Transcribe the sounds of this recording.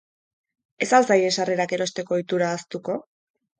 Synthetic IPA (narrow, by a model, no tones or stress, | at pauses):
e̞salsajesare̞ɾake̞ɾo̞st̪e̞ko̞it̪uɾaːst̪uko̞